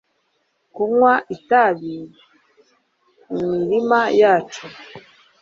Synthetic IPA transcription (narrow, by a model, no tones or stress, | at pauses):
kuŋwaʔitaβi | mumiɾimajat͡ʃu